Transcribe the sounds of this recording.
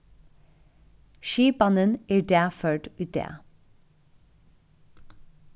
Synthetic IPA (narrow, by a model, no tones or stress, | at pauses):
ʃiːbɑnənæːdæːføːʈʉːt̪̚d̪ḛː